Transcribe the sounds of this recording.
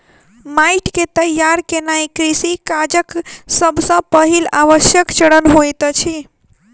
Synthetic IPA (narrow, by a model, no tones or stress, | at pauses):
maiʈket̪əjaɾkenaikɾisikad͡ʒəksəbʱsə̃pəɦilaʋəʃjəkt͡ʃəɽənɦojt̪t͡ʃʰi